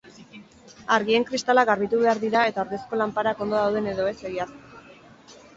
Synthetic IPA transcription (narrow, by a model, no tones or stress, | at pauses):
aɾɣie̞ŋkɾist̪alaɡaɾβit̪uβe̞aɾðiɾae̞t̪aoɾðe̞sko̞lampaɾako̞nd̪o̞ðawð̞e̞ne̞ðo̞e̞se̞ɣiar